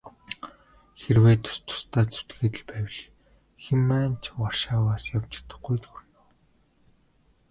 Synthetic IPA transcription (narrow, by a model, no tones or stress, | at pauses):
xerweːt̪ʰːʊ̥st̪ʰʊ̥st̪ʰaːt͡su̥t̪ɡeːt̪ɘ̆ɮpæːwʲɪ̆ɮ | xemːæːnt͡ɕʰwarʃaːwaːsjaw̥t͡ɕɪ̆rt̪ə̆χɡujt̪xurnoː